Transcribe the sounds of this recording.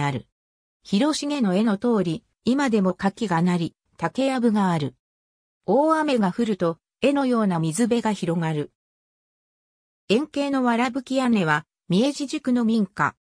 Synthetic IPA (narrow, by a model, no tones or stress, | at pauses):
aɾɯ̟ | çiɾo̞ɕiɡe̞no̞e̞no̞t̪o̞ːɾʲi | imad̪e̞mo̞kakʲiɡanaɾʲi | t̪ake̞abɯ̟ɡaːɾɯ̟ | oːame̞ɡaɸɯ̟ɾɯ̟t̪o̞ | e̞no̞jo̞ːnamʲizɨbe̞ɡaçiɾo̞ŋaɾɯ̟ | ẽ̞ŋke̞ːno̞βaɾabɯ̟kʲiane̞β̞a | mʲie̞ʑiʑikɯ̟no̞mʲĩŋka̰